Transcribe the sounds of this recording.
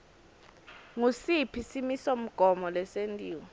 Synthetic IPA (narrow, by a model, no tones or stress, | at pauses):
ŋusipʰisimisom̩ɡ̥ʱɔmɔlɛsentʼiːwɔ